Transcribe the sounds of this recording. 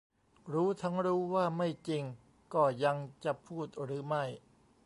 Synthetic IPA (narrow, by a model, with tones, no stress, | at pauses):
ɾuː˦˥t̪ʰa˦˥ŋɾuː˦˥waː˥˩ma˥˩jt͡ɕi˧ŋ | kɔː˥˩ja˧ŋt͡ɕa˨˩pʰuː˥˩t̪̚ɾɯː˦˥ma˥˩j